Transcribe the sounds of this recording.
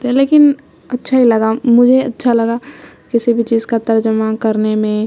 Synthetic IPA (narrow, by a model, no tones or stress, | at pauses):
t̪ɛ̃leːkɪn | ɐtːʃʰailɐɡamʊd͡ʒʱeɐtːʃʰalɐɡa | kɪsibʱit͡ʃiːzkat̪ɐɾd͡ʒəmakɐɾnemẽ